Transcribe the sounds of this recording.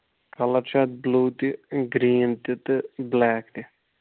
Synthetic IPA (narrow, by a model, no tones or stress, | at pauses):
kʰɐlɐɾt͡ʃʰat̪̚bluːt̪iɡɾiːnt̪it̪ɨblaːkt̪i